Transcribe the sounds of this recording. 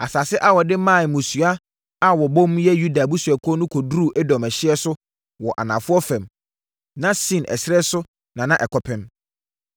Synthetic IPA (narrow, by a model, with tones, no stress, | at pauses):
a˨sa˨sɪ˦ʔa˦wɔ˨dɪ˦mã˦˨n˨mũ˨su˨a˦ | a˦wɔ˨bɔ̃˦m̃˦jɛ˦ju˦da˨bu˦su˨a˨kʰɔ˦nʊ̃˦kʰɔ˨du˦ɾu˦˨ʔɛ˦dɔ̃˨mɛ˨ɕɪ˦ɛ˦sʊ˦ | wɔ˨ʔa̰˨nã˨fʊ˦ɔ˦fɛ̃˨m | nã˦sĩ˦˨nʔɛ̰˨sɾɛ˦sʊ˦ | nã˨nã˦ʔɛ˨kʰɔ˨pʰɪ̃˨m